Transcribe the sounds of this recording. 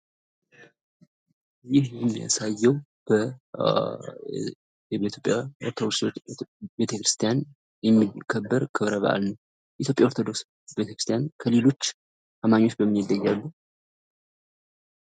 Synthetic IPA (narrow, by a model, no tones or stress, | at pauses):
jɪhjɛmːija̰sajːɛw | b̥ə | jɛbet̪ʰjopʼjaɔɾt̪ʰod̪oksebe̞t̪ʰəkɾɨst̪ʰijan | jɛmːikʰəbːəɾkʰɨβɾəβə̰ʔa̰lnəw | ʔit̪ʰʲjo̞pʼjao̞ɾt̪ʰod̪o̞ks | bet̪ʰəkɾɨst̪ʰjankʰəle̞lo̞t͡ʃː | ʔamaɲːo̞t͡ʃːbəmːɨnid̪ːəjːalːu